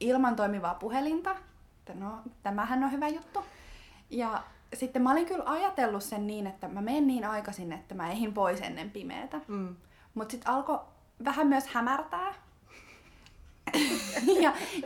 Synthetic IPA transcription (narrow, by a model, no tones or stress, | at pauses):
ilmɑnt̪oimiʋɑːpuhelint̪ɑ | et̪ːænot̪æmæhænːohyʋæjut̪ːu | jɑ | sit̪ːemæoliŋkylɑjɑt̪elːussenniːnet̪ːæmæmeːnniːnɑikɑsinːet̪ːæmæehimpoisḛnːḛmpimḛːt̪æ | mut̪sit̪ɑlko | ʋæhæmyøshæmært̪æː | jɑ